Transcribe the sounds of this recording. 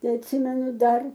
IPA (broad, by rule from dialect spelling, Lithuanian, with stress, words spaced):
ˈtɐɪ ɐtʲˈsʲɪmʲɛnʊ ˈdɐr